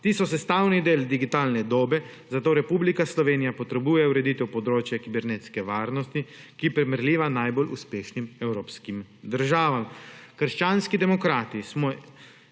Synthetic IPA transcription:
t̪iːsɔsɛst̪aːwnid̪eːld̪iɡit̪aːlnɛd̪oːbɛ | zat̪oːɾɛpuːblikaslɔʋeːnijapɔt̪ɾɛbuːjɛuɾɛd̪it̪ɛwpɔd̪ɾoːt͡ʃjɛkibɛɾneːt̪skɛʋaːɾnɔst̪ikipɾɛmɛɾlʲiːʋanajbolṵspeːʃnimɛwɾoːpskimd̪əɾʒaːʋamkəɾʃt͡ʃaːnskid̪ɛmɔkɾaːt̪ismɔ

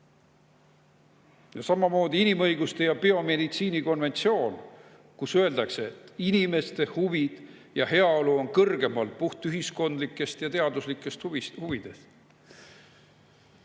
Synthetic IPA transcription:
jɑsɑmɑmo̞ːd̪iinimɤ̞jɡust̪e̞jɑpeo̞me̞d̪it̪siːniko̞nve̞nʲt̪sio̞ːn | kusø̞e̞ld̪̥ɑkseːt̪ːinime̞st̪e̞huvid̪̥jɑhe̞ɑo̞luo̞nkɤrɡ̥e̞mɑlpuht̪yɦisko̞nd̪likːˑe̞st̪jɑt̪e̞ɑd̪̥uslikːˑe̞st̪vishuvid̪̥e̞s

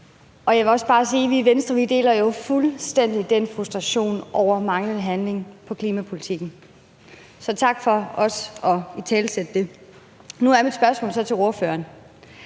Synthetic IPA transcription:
ʔɒ̽jɑ̈ɪʋe̝ɒ̽sb̥ɑ̈ːsiːʋiʋensd̥ʁɐʋid̥e̝̰ːlɐjo̝fulsd̥en̰d̥id̥enfʁusd̥ʁɑɕo̝̰ːnʔɒʊ̰ɐmɑ̈ŋlənˠəɦænle̝ŋpʰɒ̽kʰliːmæpʰo̝lit͡sʰiɡ̥n̩ | sɒ̽t͡sʰɑ̈ɡ̥fɒ̽ɒ̽sɒ̽it͡sʰɛːlsed̥əd̥e̝ | nuæɐmid̥sb̥ɶɐsmɔ̰̽ːlsɒ̽t͡sʰe̝lo̝ɐfø̰ɐn

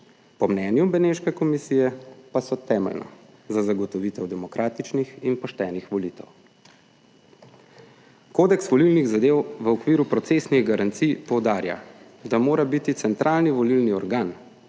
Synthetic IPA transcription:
pɔmnɛːnjubɛneʃkɛkɔmisijɛpasɔt̪ɛːmɛ̰lnɔ̰ | zazaɡɔt̪ɔʋit̪ɛwd̪ɛmɔkɾʔaːt̪it͡ʃnixinpɔʃt̪ɛːnixʋɔliːt̪ɛ̰w | koːd̪ɛksʋɔlilniɣzad̪eːwʋəɔkʋiːɾupɾɔt̪sesniɣɡaɾant̪sijpɔwd̪aːɾja̰ | d̪amoːɾabit̪it̪sɛnt̪ɾʔaːlniʋɔlilniɔɾɡaːn

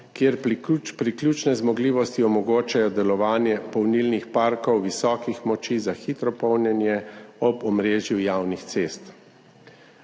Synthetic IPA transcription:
kjeɾpɾiklʲjut͡ʃnɛzmɔɡliːʋɔst̪iɔmɔɡoːt͡ʃajɔd̪ɛlɔʋaːnjɛpɔwnilnixpaɾkɔwʋisɔːkixmɔt͡ʃizaxit̪ɾɔpɔwnjɛnjɛɔbɔmɾeːʒjujaːwnixt̪seːst̪

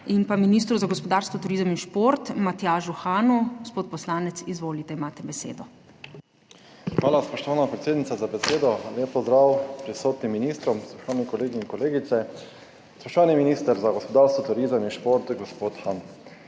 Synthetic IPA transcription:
inpaminiːst̪ɾuzaɡɔspɔd̪aːɾst̪ɔt̪uɾizəminʃpoɾt̪mat̪jaːʒuxaːnuɡospoːt̪̚pɔslaːnɛt̪sizʋoːlit̪ɛimaːt̪ɛbɛsḛːd̪ɔ | xʋaːlaspɔʃt̪ɔʋaːnapɾet̪seːd̪nit̪azabɛseːd̪ɔljeːp̚pɔzd̪ɾaːwpɾisoːt̪nimːinist̪ɾɔmsɾɔ̥ʃt̪ɔʋaːnikɔleːɡiːŋkɔleːɡit̪sɛ | sɾɔʃt̪ʋaːniminist̪ɛɾzaɡɔspɔd̪aːɾst̪ɔt̪uɾizəminʃpoɾt̪ɡɔspot̪xan

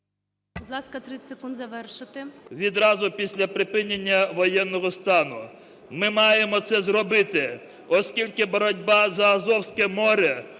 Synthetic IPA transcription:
bʊd̪lˠɑskɐt̪ɾɪsekund̪zɐʋɛrʃɪt̪ɪʋʲid̪ɾɑzʊpʲisʲlʲɐpɾɪpɪnʲenʲːɐʋɔjɛnːɔɦɔst̪ɑnʊ | mɪmɑjemɔt̪sɛzrɔbɪt̪ɪ | ɔskʲilʲkɪbɔɾɔdʲbɑzɐːzɔwsʲkɛmɔɾʲɛ

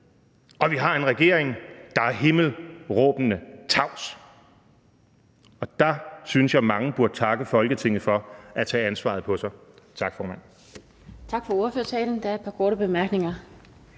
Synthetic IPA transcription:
ʔɒ̽ʋiɦɑ̈e̝nʁɛɡ̥e̝ɐeŋd̥ɑ̈æɐɦe̝ml̩ʁɔ̽ːb̥nət͡sʰɑ̈ʊ̰s | ɒ̽d̥ɑ̈synəsjɑ̈ɪmɑ̈ŋəb̥uɐd̥ət͡sʰɑ̈ɡ̥əfɒ̽lɡ̥ət͡sʰe̝ŋ̰ð̩ˠfɒ̽æt͡sʰɛ̰ːænsʋɑ̰̈ð̩ˠpʰɒ̽sɑ̈ɪt͡sʰɑ̈ɡ̥fɒːmæn̰ | t͡sʰɑ̈ɡ̥fɒ̽oːɐføɐsʰɛːln̩d̥ææɐed̥̚pʰɑ̈kʰɔːɾəb̥e̝mæɐɡ̥ne̝ŋɐ

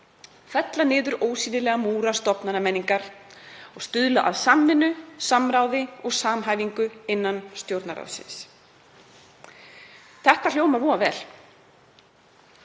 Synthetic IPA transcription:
θɛt̪lanɪːðʏɾoːwsiːnɪlɛːɣamuːɾast̪ɔpnanamɛnːiŋkaɾ̥ɔɣst̪ʏðlaʔaðsamːɪnːʏsamɾaːwðɪɔɣsaːmɦaːjviŋkʏɪnːanst̪jowɾt̪naɾa̰wsɪ̰ns | θɛht̪al̥jowmaɾvɔːavɛːl̥

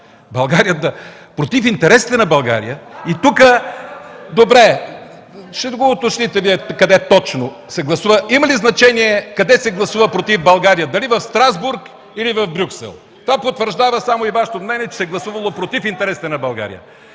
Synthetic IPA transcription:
bɐlˠɡaɾijəd̪ɐ | pɾot̪ifint̪ɛɾɛsi̥t̪ɛnɐbɐlˠɡa̰ɾḭjəit̪ukə | d̪obɾɛ | ʃɛd̪ɡoot̪oʃnit̪ɛviɛkɐd̪ɛt̪ɔt͡ʃno | sɛɡlˠɐsuvəimɐliznɐt͡ʃɛniɛkɐd̪ɛsɛɡlˠɐsuvəpɾot̪ivbɐlˠɡaɾijəd̪ɐlivɐfst̪ɾazbuɾk | ilivɐvbɾʲuksɛ̰lˠ | t̪ovapot̪vəɾʒd̪avəsamoivaʃɛ̥t̪omnɛniɛt͡ʃɛ̥sɛɡlˠɐsuvɐlˠopɾot̪ifint̪ɛɾɛsi̥t̪ɛnɐbɐlˠɡa̰ɾḭjə̰

